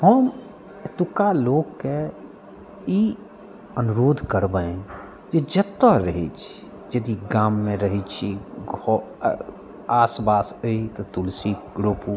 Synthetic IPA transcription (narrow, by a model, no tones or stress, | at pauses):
həm | et̪ukaloːɡke | i | ənuɾoːd̪ʱkəɾbəẽ | d͡ʒed͡ʒət̪ːəɾəɦit͡ʃʰi | d͡ʒəd̪iɡaːmːẽɾəɦit͡ʃʰiɡʱɔ | asbasəit̪ɔt̪ulsiɡɾopu